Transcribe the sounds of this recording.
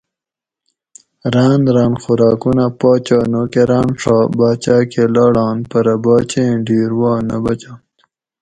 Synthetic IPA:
ɾaːnɾɑːnxuɾɑːkunapɑːt͡ɕɑːnokeɾaːnʂɑːbaːt͡ɕaːkelɑːɽɑːnpɐɾɐbɑːt͡ɕẽɖiːɾwɑːnɐbɐt͡ɕaːn

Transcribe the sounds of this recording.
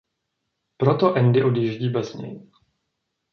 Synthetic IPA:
pɾot̪o̞ʔɛndɪʔo̞djiʒɟiːbɛzɲɛ̰j

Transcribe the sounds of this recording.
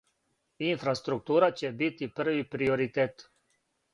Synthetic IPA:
infɾast̪ɾuk̚t̪uːɾat͡ɕebit̪ipr̩ʋipɾioɾit̪eːt̪

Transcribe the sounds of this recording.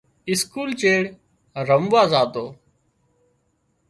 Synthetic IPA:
ɪskuːlt͡ʃeːɽ | ɾəmʋaːzaːt̪oː

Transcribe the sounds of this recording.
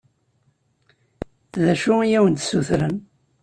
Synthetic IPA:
ðæʃuijæwənt̪suθɾən

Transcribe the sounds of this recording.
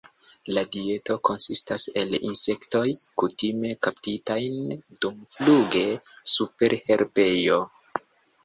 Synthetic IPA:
ladie̞to̞ko̞nsistase̞lḭnse̞kto̞jkutime̞kaptitajnd̥umfluɡe̞ | supe̞ɾhe̞ɾbe̞jo̞

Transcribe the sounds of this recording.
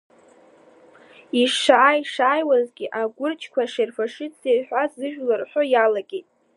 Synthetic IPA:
iʂaːjʂaːjwazɡʲɪʔaɡʷʊrt͡ʃʰkʷaʂerfaʂɨt͡sejħᶣʷazɨʒᶣlarħʷᶣojalaɡʲejtʼ

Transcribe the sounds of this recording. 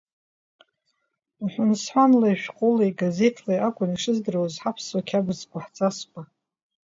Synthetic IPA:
ħʷʊnsħʷanlaiʃᶣqʼʊlajɡaze̞tʰlajakʷʼʊniʂɨzdɨrawazħapʰswakʲʰabɨzkʷʼaħt͡sʼaskʷʼa

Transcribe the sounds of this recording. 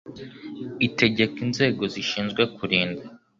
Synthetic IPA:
ite̞ɟe̞kinze̞ːɡo̞ziʃiːnzɡwekuɾiːnda

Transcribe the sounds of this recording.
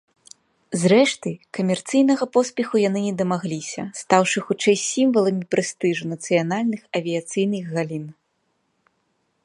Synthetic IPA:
zɾɛʂt̪ɨkɐmʲɛrt̪sɨjnɐɣɐpɔsʲpʲɛxujan̪ɨnʲɛd̪ɐmaɣlʲisʲɐ̰st̪awʂɨxut͡ʂɛjsʲimvɐlˠɐmʲipɾɛst̪ɨʐunɐt̪sɨjanalʲnɨxɐvʲijat̪sɨjnɨɣɣalʲin

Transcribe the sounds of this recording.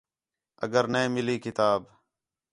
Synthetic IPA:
ə̰ɡəɾnẽːmɪliːkɪt̪aːb

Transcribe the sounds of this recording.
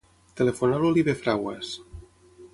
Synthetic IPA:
t̪elefonaloliβefɾawa̰s

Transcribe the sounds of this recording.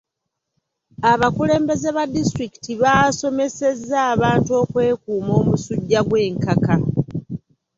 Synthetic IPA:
aβakule̞ːmbe̞ze̞βadːistɾiki̥tiβaːso̞me̞se̞zːaːβaːntuo̞ːkwe̞ːkuːmo̞ːmusuɟːaɡwe̞ːŋkaka

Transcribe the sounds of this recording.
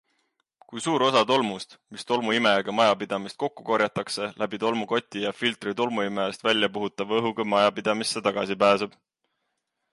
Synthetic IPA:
kujsuːɾo̞sɑt̪o̞lmust̪mist̪o̞lmuime̞ɡ̥ɑmɑjɑpid̪̥ɑmist̪̚ko̞kːu̥ko̞ɾjɑt̪ːˑɑkse̞lʔæb̥it̪o̞lmuko̞t̪ʲˑːijɑfilt̪ˑrit̪o̞lmuimest̪vælʲjɑpuɦut̪ˑːɑvɤɦuɡɑmɑjɑpid̪̥ɑmisːe̞t̪ɑɡ̥ɑsipæːseb̥

